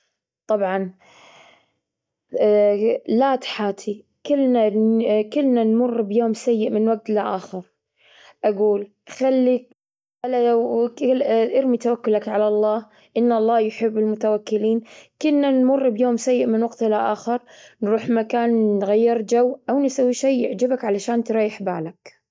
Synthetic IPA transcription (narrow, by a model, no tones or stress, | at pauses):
t̪ˤɑbʕɑn | laːt̪ħaːt̪ʰi | kɪlːnakɪlːnanmʊrˤːbjoːmsajːɪʔmɪnwaɡ̚t̪laʔaːxɪɾ | ʔaɡuːl | xalːi | ʔalːaa | ʔɪɾmit̪awakːʊlakʕalalˤːɑːh | ʔɪnːʔɑlˤːɑːjħɪbːɪlmʊt̪awakːɪliːnkʊlnanmʊrˤːbjoːmsajːɪʔmɪnwaɡt̪laʔaːxɪɾnɾuːħmakaːnnɣajːɪɾˤd͡ʒawːʔawnɪsawːiʃeːɪʕd͡ʒɪbakʕalaʃaːnt̪ɾˤɑːjɪħba̰ːlak